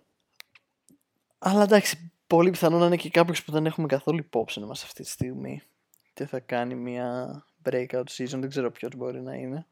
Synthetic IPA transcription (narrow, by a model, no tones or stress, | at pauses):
ɐlɐd̪ɐksi̥po̞lipiθɐno̞nɐinece̞kɐpço̞spuðe̞ne̞xumekɐθo̞luipo̞psinimɐst̪ɐ̥ft̪it̪i̥st̪iɣmḭ | t̪eθɐkɐnimiɐ | bɾekɐot̪sizo̞nðeɡze̞ɾo̞pço̞zbo̞ɾinɐ̰ḭne̞